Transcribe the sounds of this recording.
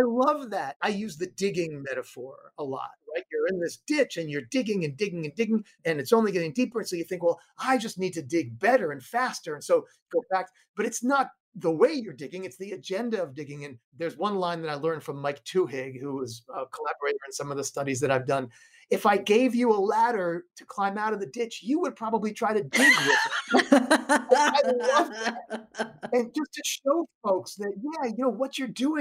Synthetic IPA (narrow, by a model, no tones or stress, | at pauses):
aɪlʌvðæt̚aɪjʉzðɨdɪɡɪ̃ŋmɛɾəfɔɹəlɔ̰t̚ɹaɪt̚jə˞ɨ̃nðɪsd̥ɪt͡ʃɨ̃njə˞dɪɡɪ̃ŋɨ̃ndɪɡɪ̃ŋɨ̃ndɪɡɪ̃ŋ | ɨ̃nɨtsõʊ̃nliɡɛɾɪ̃ŋdipə˞ɨ̃nsoʊjɨθɪ̃ŋkwɛlˠ | aɪd͡ʒʌstⁿnid̚tɨdɪɡ̚bɛɾə˞ɨ̃nfæstə˞ɨ̃nsoʊ | ɡoʊfæk̚t̚ | b̥ʌɾɨtsnət̪̚ | ðəweɪjə˞dɪɡɪ̃ŋɨtsðiɨd͡ʒɛ̃ndɨʌvdɪɡɪ̃ŋɨ̃nðə˞zwʌ̃nlãɪ̃nðɨɾaɪlɜ̃˞nfɹʌ̃mːaɪk̚tʰʉɦɪɡhuɪzʌkʰəlæbə˞eɪɾə˞ɨ̃nsʌ̃mʌvðɨstʌɾizðɨɾaɪvdʌ̃n | ɨfaɪɡeɪvjɨəlæɾə˞ɾɨkʰl̥ãɪ̃maʊɾʌvðɨdɪt͡ʃjɨwəd̚pʰɹ̥ɑbəblitʰɹ̥aɪɾɨdɪɡwɪð | aɪlʌvt̚ | ɨ̃nd͡ʒʌstʰɨʃoʊfoʊksðɨt̚jæjɨnoʊwʌt͡ʃə˞duɪ̃